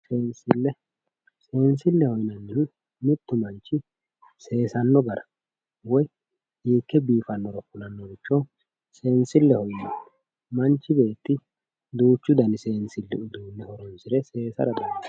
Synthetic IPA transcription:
seːnsɪlːɛ | se̞ːnsɪlːɛhɔjnɐnːɪnɪ | mɪt̪ːʊmɐnt͡ʃːɪ | se̞ːsɐnːɔɡɐɾɐ | wɔj | hiːkːɛbiːfɐnːɔɾɔkːʊlɐnːɔɡɪt͡ʃːɔ | seːnsɪlːɛhɔjnɐ | mɐnt͡ʃːɪbe̞ːt̪ːɪ | d̪uːt͡ʃːʊd̪ɐnɪse̞ːnsɪlːɛʊd̪uːnːɛhɔɾɔnsɪɾɛse̞ːsɐ̰ɾɐd̪ɔ

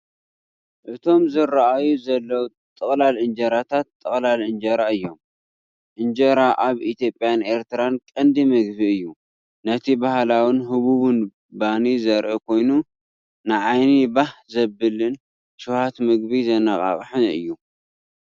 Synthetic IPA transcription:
ʔɨt̪ʰo̞mzɨɾaʔajuzɐlːɐwu | t̪ʼɨχʼlalʔɨnd͡ʒɐɾat̪ʰat̪ʼːɨχʼlalɨnd͡ʒɐɾaɨjːo̞m | ʔɨnd͡ʒɐɾaʔaβit̪ʰjo̞pʼjane̞ɾt̪ʰɨɾankʼɐnd̪imɨɡbiɨjːu | nɐt̪ʰibahlawɨnɦɨβuβɨn | banizɐɾʔɨkʰo̞jnu | nɨʕajnibahzɐbɨlɨn | ʃuhat̪mɨɡbizɐnɐχʼa̰χʼħɨnɨ̰jːu

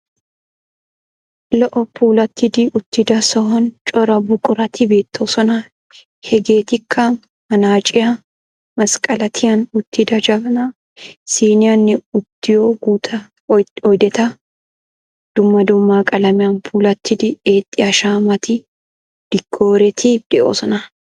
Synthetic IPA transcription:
lɔʔɔpuːlɐt̪ːɪd̪ɪʊt̪ːɪd̪ɐsɔhɔnt͡ʃʼɔɾɐbʊkʼʊɾɐt̪ʰɪbe̞ːt̪ːoːsɔnɐ | hɛɡe̞ːt̪ɪkʰːɐ | mɐnaːt͡ʃʼɪjɐ | mɐskʼɐlɐt̪ʰɪjɐnʊt̪ːɪd̪ɐd͡ʒɐbɐnɐ | siːnɪjɐnːɪʊt̪ːɪjoːɡuːt̪ʰɐ | ɔjd̪ɛt̪ɐ | d̪̥ʊmːɐd̪ʊmːaːkʼɐlɐmɪjɐnpʰuːlɐt̪ːɪd̪ɪe̞ːt̪ʼːɪjɐʃaːmɐt̪ɪ | d̪̥ɪɡʰːo̞ːɾɛt̪ʰɪd̪̥ɛʔo̰ːsɔnɐ

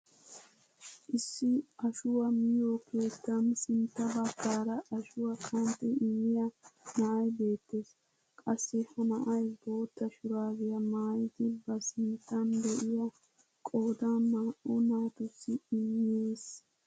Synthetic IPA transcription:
ʔɪsːɪʔɐʃʊwɐmɪjoːkʰe̞ːt̪ːɐnsɪnt̪ːɐbɐkːaːɾɐʔɐʃʊwɐkʰɐnt̪ɛɪmːɪjɐnɐʔɐjbe̞ːt̪ːe̞ːs | kʼɐsːɛhɐnɐʔɐjbo̞ːt̪ːɐʃʊɾaːɡɪjɐmaːjɪd̪ɪbɐsɪnt̪ːɐnd̪ɛʔɪjɐ | kʼo̞ːd̪anːaːʔɔnaːt̪ʊsːɪɪmːɪjeːs

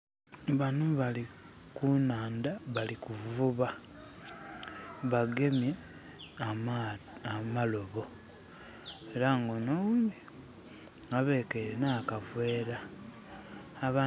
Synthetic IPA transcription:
βanuβalikunaːndaβalikuvuβa | βaɡe̞mje | amalo̞βo̞ | eɾaŋɡonomi | ŋaβe̞ːkeɾenaːkavwe̞ːɾa | βa

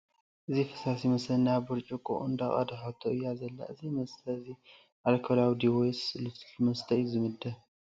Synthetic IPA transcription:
ʔɨzifɨ̥sasimɐsɐnabɨɾt͡ʃʼukʼṵʔund̪aχʼɐ̰d̪ħat̪ʰoʔɨjːazɐlːa̰ʔɨzimɐst̪ʰɐzi | ʔalkʰɐlawd̪iwojslɨfmɐst̪ʰɐjzɨmɨd̪ɐ

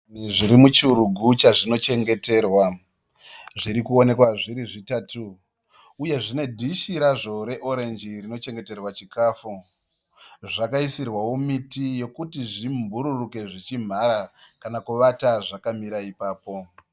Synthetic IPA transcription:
iʐiɾimut͡ʃuɾuɡʱut͡ʃaʐino̞t͡ʃe̞ŋɡe̞te̞ːrwa | ʐiɾikuo̞ne̞kwaʐiɾiʐitaːtuː | je̞ʐine̞dʱiʃiɾaʐo̞ɾe̞ʔo̞ɾe̞nd͡ʒirino̞t͡ʃe̞ŋɡe̞te̞rwat͡ʃikaːfu | ʐakaisirwawo̞mitijo̞kutiʐimbʱuɾuruke̞ʐit͡ʃim̤aɾakanakuʋataʐakamiɾaipaːpo̞

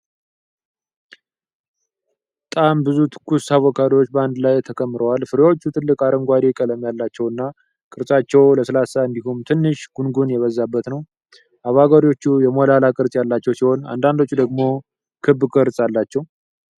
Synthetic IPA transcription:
b | ət̪ʼambɨzut̪ʰɨ̥kːusaβɔkʰaɾwot͡ʃːbəand̪lajt̪ʰəkʰəmːɨɾəwalfɨɾeo̞t͡ʃːut̪ʰɨlːɨkʼaɾəŋɡʷad̪ikʼələmjalːat͡ʃːɛwɨnːa | kʼɨɾsʼat͡ʃːɛwləsəlasaɨnd̪ihumt̪ʰɨnːɨʃɡ̥unɡunjɛβəzːabːət̪nəw | ʔaβaɡaɾio̞t͡ʃːujɛmolalakʼɨɾsʼjalːat͡ʃːɛwsiho̞na̰nd̪and̪o̞t͡ʃːud̪əɡmo̞ | kʰɨbːkʼɨɾsʼalːat͡ʃːɛw

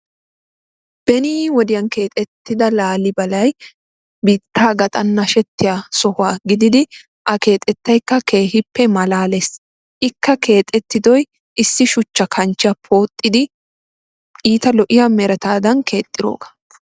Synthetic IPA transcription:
b̥ɛniːwɔd̪ɪjɐnke̞ːt̪ʼɛt̪ːɪd̪ɐlaːlɪbɐlɐj | biːt̪ːaːɡɐt̪ʼɐnːɐʃɛt̪ːɪjasɔhʊaːɡɪd̪ɪd̪ɪ | ʔɐke̞ːt̪ʼɛt̪ːɐjkːɐke̞ːhɪpːɛmɐlaːles | ʔɪkːɐkʰe̞ːt̪ʼːɛt̪ːɪd̪ɔj | ʔɪsːɪʃʊt͡ʃːɐkʰɐnt͡ʃːɪjɐpʰoːt̪ʼːɪd̪ɪ | iːt̪ɐlɔʔɪjamɛɾɐt̪aːd̪ɐnkʰe̞ːt̪ʼːɪɾo̰ːɡɐ̥

